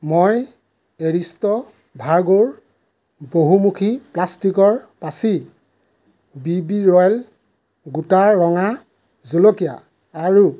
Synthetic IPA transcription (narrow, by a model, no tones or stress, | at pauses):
moj | eɹistɔ | bʱaɹɡoɹ | boɦumukʰiplastikɔɹpasi | bibiɹɔjl | ɡutaːɔŋa | zolokijaː | ɹu